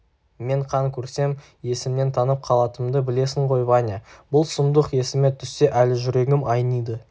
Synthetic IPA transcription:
me̞ɴqʰɑŋkʲʰɵɾse̞m | je̞sɪmne̞nt̪ʰɑnəp̚qʰɑlˠɑt̪əmd̪əbɪle̞sɪŋqʰo̞jbɑnʲɑbʊlˠsʊmd̪əqje̞sɪmet̪ʰʏsːe̞ʔælɪʒʏɾe̞ɡʲɪmɑjnijd̪ə

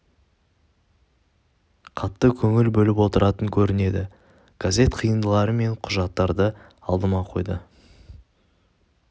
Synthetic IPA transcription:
qʰɑt̪ːəkʲʰɵŋɪlbɵlɪpwo̞t̪əɾɑt̪əŋkʲʰɵɾɪne̞d̪ɪ | ɡ̥azʲe̞t̪qʰəjənd̪əlˠɑɾəme̞ɴqʰʊʒɑt̪ːɑɾd̪ə | ɑlˠd̪əmɑqʰo̞̰jd̪ə

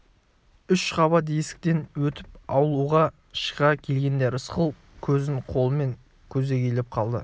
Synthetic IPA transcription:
ʏʃqɑβɑd̪esɪ̥k̚ʲt̪e̞nwɵt̪ɪp̚ɑwlˠuʁɑ | ʃə̥ʁɑkʲʰe̞lɡʲe̞nd̪e̞ɾəsqəlˠ | kʲʰɵzɪɴqʰo̞lˠəme̞ŋ | kʲʰɵze̞kʲʰelɪp̚qʰɑlˠd̪ə̰

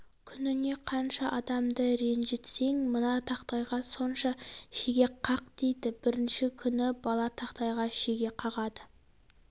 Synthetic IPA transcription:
kʲʰʏnɪne̞qʰɑnʃɑʔɑd̪ɑmd̪əɾe̞nʒe̞t̪se̞ŋmənɑt̪ʰɑqt̪ɑjʁɑso̞nʃɑʃeɡʲe̞qʰɑqd̪ejd̪ɪb̥ɪɾɪnʃɪkʲʰʏnɪbɑlˠɑt̪ʰɑqt̪ɑjʁɑʃeɡʲe̞qʰɑʁɑd̪ə

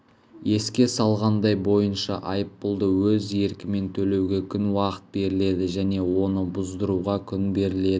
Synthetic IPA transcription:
je̞skʲe̞sɑlˠʁɑnd̪ɑjbo̞jənʃɑʔɑjəpːʊlˠd̪əwɵze̞ɾkʲɪme̞nt̪ʰɵle̞wɡʲe̞kʲʰʏnwɑqə̥t̪̚be̞ɾɪle̞d̪ɪʒæne̞wo̞nəbʊzd̪əɾuʁɑkʲʰʏnbe̞ɾɪle̞d̪ɪɪ

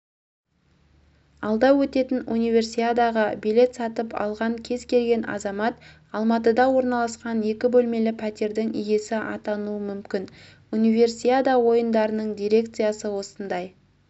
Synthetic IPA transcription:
ɑlˠd̪ɑwɵt̪e̞t̪ɪnunijvʲe̞rsijad̪ɑʁəbile̞t̪sɑt̪əpʰɑ̰lˠʁɑŋkʲʰe̞zkʲʰe̞lɡʲe̞nɑ̰zɑmɑt̪ | ɑlˠmɑt̪əd̪ɑwo̞ɾnɑlˠɑsqɑne̞kʲɪbɵlme̞lɪpʰæt̪e̞ɾd̪ɪŋʏje̞sɪʔɑ̰t̪ɑnuəmʏmkʲɪn | unijve̞rsijad̪awo̞jənd̪ɑɾənəɴd̪ʲijɾe̞kt̪sɨjasəwo̞sənd̪ɑj

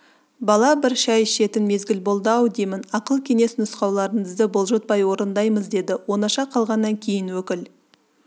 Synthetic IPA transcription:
bɑlˠɑbɪɾʃɑjʃe̞t̪ɪnme̞zɡʲɪlbolˠd̪ɑwd̪ejmɪnɑqəlˠkʲʰe̞ŋe̞snʊsqɑwlˠɑɾəɴəzd̪əbolˠʒot̪̚pɑjwo̞ɾənd̪ɑjməzd̪e̞d̪ɪwo̞nɑʃɑqʰɑlˠʁɑnːɑŋkʲʰe̞jɪnwɵkʲɪl

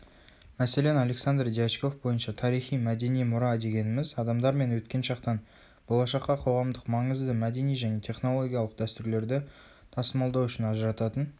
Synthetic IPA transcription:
mæse̞le̞nɑlʲe̞ksand̪rd̪ijat͡ʃko̞fbo̞jənʃɑt̪ʰɑɾijχijmæd̪e̞nijmʊɾɑd̪e̞ɡʲe̞nɪmɪzɑd̪ɑmd̪ɑɾme̞nwɵt̪kʲe̞nʃɑqt̪ɑn | bolˠɑʃɑqːɑqʰo̞ʁɑmd̪əqmɑɴəzd̪əmæd̪e̞nijʒæne̞t̪ʰe̞χno̞lˠo̞ɡʲijɑlˠəq̚d̪æst̪ʏɾle̞ɾd̪ɪ | t̪ʰɑsəmɑlˠd̪ɑwʏʃɪnɑʒəɾɑt̪ɑt̪ən

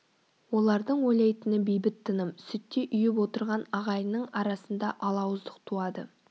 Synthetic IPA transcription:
wo̞lˠɑɾd̪əɴwojlɑjt̪ənəbejbɪt̪ʰːənəmsʏt̪ːeʔʏjɪp̬wo̞t̪əɾʁɑnɑʁɑjnəɴɑɾɑsənd̪ɑʔɑlˠɑwəzd̪əq̚t̪ʰuɑd̪ə̰

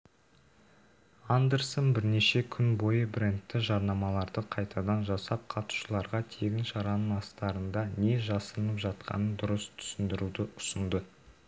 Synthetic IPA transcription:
and̪e̞ɾsonbɪɾne̞ʃe̞kʲʰʏnbo̞jəbɪɾent̪ːɪʒɑɾnɑmɑlˠɑɾd̪əqʰɑjt̪ʰɑd̪ɑnʒɑsɑp̚qʰɑt̪u̥ʃəlˠɑɾʁɑt̪ʰe̞ɡʲɪnʃɑɾɑnəɴɑst̪ɑɾənd̪ɑne̞ʒɑsənəpʒɑt̪qʰɑ̰nənd̪ʊɾəst̪ʰʏ̥sɪnd̪ɪɾud̪ɪʊ̥sənd̪ə

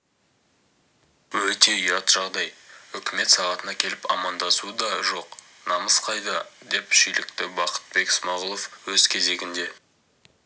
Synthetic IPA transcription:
wɵt̪e̞ijɑt̪ʒ̥ɑʁd̪ɑjʏkʲɪme̞t̪sɑʁɑt̪ənɑkʲʰe̞lɪpɑ̰mɑnd̪ɑsud̪ɑʒo̞q | nɑməsqɑjd̪əd̪e̞pʃijlɪkt̪ɪbɑqə̥t̪̚be̞ksmɑʁəlˠo̞fwɵzkʲʰe̞ze̞ɡʲɪnd̪e̞

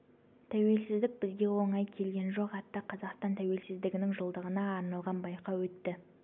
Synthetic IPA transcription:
t̪ʰæwe̞lsɪzd̪ɪk̚bɪzɡʲe̞wo̞ɴɑjkʲʰe̞lɡʲe̞nʒo̞qɑt̪ːɑqʰɑzɑqst̪ɑnt̪ʰæwe̞lsɪzd̪ɪɡʲɪnɪŋʒolˠd̪əʁənɑːɾnɑlˠʁɑnbɑjqɑwɵt̪ːɪ

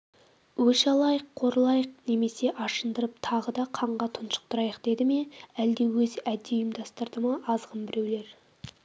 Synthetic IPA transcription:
wɵʃɑlˠɑjəqʰːo̞ɾəlˠɑjəqne̞me̞se̞ʔɑʃənd̪əɾəp̚t̪ʰɑʁəd̪ɑqʰɑɴʁɑt̪ʰʊnʃə̥q̚t̪ʰʊɾɑjəqd̪̥e̞d̪ɪme̞æld̪e̞wɵzæd̪ːejəmd̪ɑst̪əɾd̪əməʔɑzʁəmbɪɾe̞wle̞ɾ

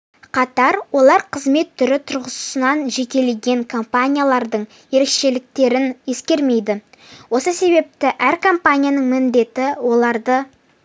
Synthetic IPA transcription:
qʰɑt̪ɑɾwo̞lˠɑɾqʰəzme̞t̪ʰːʏɾɪt̪ʰʊɾʁəsʊ̥sənɑnʒe̞kʲe̞le̞ɡʲe̞ŋkʰo̞mpanʲijalˠɑɾd̪əɴ | je̞ɾe̞kʃe̞lɪk̚t̪e̞ɾɪnje̞skʲe̞ɾme̞jd̪ɪwo̞səse̞βe̞p̚t̪ɪʔæɾkʰo̞mpanʲijanəɴmɪnd̪e̞t̪ɪwo̞lˠɑɾd̪ə

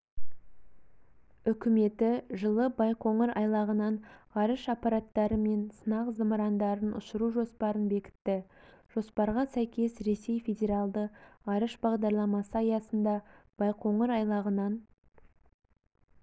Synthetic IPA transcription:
ʏkʲɪme̞t̪ɪʒəlˠəbɑjqo̞ɴəɾɑ̰jlˠɑʁənɑnɑɾəʃɑpɑɾɑt̪ːɑɾəme̞nsənɑqzəməɾɑnd̪ɑɾənʊ̰ʃəɾuʒo̞spɑɾənbe̞kʲɪ̥t̪ːɪ | ʒ̥o̞spɑɾʁɑsæjkʲe̞sɾe̞se̞jfʲe̞dʲe̞ɾɑlˠd̪əɑɾəʃbɑʁd̪ɑɾlˠɑmɑsəɑjɑsənd̪ɑb̥ɑjqʰo̞ɴəɾɑjlˠɑʁənɑn

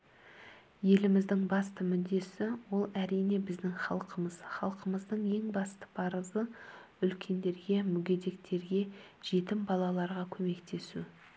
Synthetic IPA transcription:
je̞lɪmɪzd̪ɪŋbɑst̪əmʏd̪ːe̞sɪwo̞lˠæɾijne̞bɪzd̪ɪŋχɑ̰lˠqʰəməz̥χɑlˠqəməzd̪əɴe̞ŋbɑst̪ə̥pʰɑɾəzə | ʏlkʲʰe̞nd̪e̞ɾɡʲe̞mʏɡʲe̞d̪e̞kt̪ʰe̞ɾɡʲe̞ | ʒ̥e̞t̪ɪmbɑlˠɑlˠɑɾʁɑkʲʰɵme̞kt̪ʰe̞sṵ

